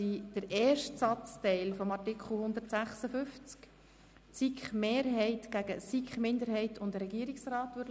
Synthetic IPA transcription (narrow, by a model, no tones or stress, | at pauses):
id̥əɾʔɛːʃtsɑt͡stɛɪlfɔmɑtikχl̩hʊnd̪əɾtsæχsəfʏft͡sk | t͡sikχmeːɾɦɛɪtɡ̥æɡ̥əsikχmɪnd̪əɾɦɛɪtʊndɾɛɡiːɾiksrɑːtʋʏɾ